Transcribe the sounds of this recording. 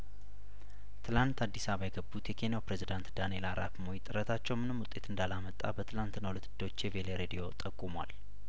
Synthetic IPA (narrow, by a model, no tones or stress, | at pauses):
t̪ʰɨlant̪ad̪ːisaβajɛɡəbːut̪jɛkʰe̞njawpɾezid̪ant̪d̪ane̞laɾafmoit̪ʼːɨɾət̪ʰat͡ʃːɛwmɨnɨmːwʊt̪ʼe̞t̪ɨnd̪alamət̪ʼːa̰bət̪ʰɨlant̪nːawulət̪ʰːɨd̪ːot͡ʃːjɛveleɾed̪io̞t̪ʼəkʼːumwa̰l